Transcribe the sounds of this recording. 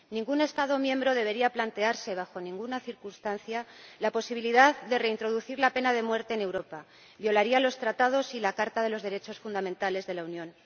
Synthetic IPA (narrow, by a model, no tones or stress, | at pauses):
nĩŋɡune̞st̪að̞o̞mjẽ̞mbɾo̞ð̞e̞β̞e̞ɾiaplant̪e̞aɾse̞βaxo̞nĩŋɡunaθiɾkunst̪anθjalapo̞siβ̞iliðaðd̪e̞re̞int̪ɾo̞ðuθiɾlape̞naðe̞mwe̞ɾt̪e̞ːne̞wɾo̞pa | βjo̞laɾialo̞st̪ɾat̪að̞o̞silakaɾt̪aðe̞lo̞zðe̞ɾe̞t͡ʃo̞sfund̪amẽnt̪ale̞zðe̞launjõ̞n